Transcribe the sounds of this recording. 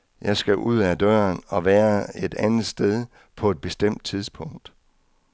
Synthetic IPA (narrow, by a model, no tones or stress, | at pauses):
jɑ̈ɪsɡ̥æʔuð̞̰ˠæd̥ɶːɐnɒ̽ʋæːɐe̝d̥ænð̩ˠsd̥eð̞ˠ | pʰɒ̽e̝d̥̚b̥e̝sd̥em̰d̥̚t͡sʰiðˠspʰɔ̽ŋ̰d̥